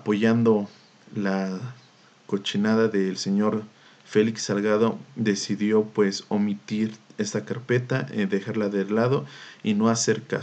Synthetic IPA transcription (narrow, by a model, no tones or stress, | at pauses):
apo̞ʝand̪o | la | kot͡ʃinaðaðelseɲoɾ | feliksalɣaðod̪e̞siðjo̞pwesomit̪iɾest̪akaɾpe̞t̪aed̪exaɾlaðelaðoinoase̞ɾka̰